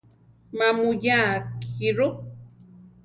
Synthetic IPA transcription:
mamʊjaːkiɾʊ

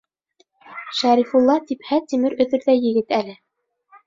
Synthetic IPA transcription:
ʃæɾifulˠːɑt̪iphæt̪ːimɘɾɵ̆ðɵ̆ɾðæjɘ̆ɡɘt̪ælɘ

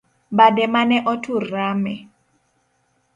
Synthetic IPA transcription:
badɛmanɛʔɔtʰuramɛ

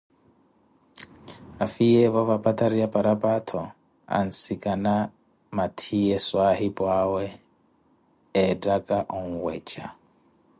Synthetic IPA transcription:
afiɛvɔvapʼatʰʼaɾiapʼaɾapʼatʰɔ | a̰n̩sikʼana | matʰiɛswahipʼwawɛ | dʼakʼaʔɔŋ̩wɛ̰ːt͡ʃʼa

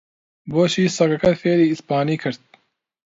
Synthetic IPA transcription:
boːʃiːsɐkɐkɐt̪feːɾiːispaːniːkʰɨɾt̪̚

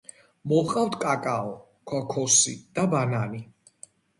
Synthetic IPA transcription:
mɔqʼawt̪ʰkʼakʼaɔ | kʰɔkʰɔsḭd̪̥abanani

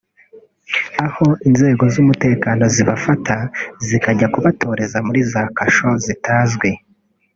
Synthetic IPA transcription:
aho̞ʔinze̞ːɡo̞zumute̞ːkano̞ziβafatʰazikaɟakuβatʰo̞ːɾe̞zamuɾizaːkaʃo̞zitaːzɡwe̞

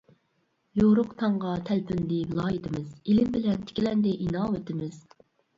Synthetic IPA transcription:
joɾʊqt̪ʰɑɴʁɑt̪ʰælpʰynd̪ɪvɪlˠɑːjit̪ʰɪmɪzilɪmbɪlɛnt̪ʰɪ̥kʲilɛnd̪ɪʔinɑːwet̪ʰɪmɪz̥

